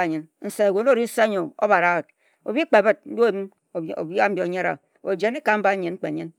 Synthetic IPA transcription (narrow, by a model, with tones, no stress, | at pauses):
ɲi˨nn̩˨se˨wo˨no˦˨ɾi˦n̩˦se˦ɲo˨o̰˦βa˨ɾa˦˨t̚ | o˨bi˦k͡pe˨bɨ˦t̚m̩˦o˦m˦˨ | o̰˨ba˦m̩˦bo˨ɲa˦ɾa̰˨ | o˨d͡ʒe˨˦ni˦ka˨m̩˦ba˦ɲi˨n̩˦k͡pe˨ɲi˦n